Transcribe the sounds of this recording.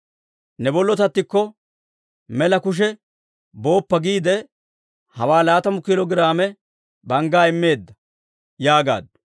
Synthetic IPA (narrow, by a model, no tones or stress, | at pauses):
nɛbɔlːɔt̪ɐt̪ːɪkːɔ | mɛlɐkʊʃ̬ɛ | bo̞ːpːɐɡiːd̪ɛ | hɐwaːlaːt̪ɐmʊkːilɔɡɪɾaːmɛ | bɐŋɡaːɪmːe̞ːd̪ːɐ | jaːɡa̰ːd̪ːʊ̥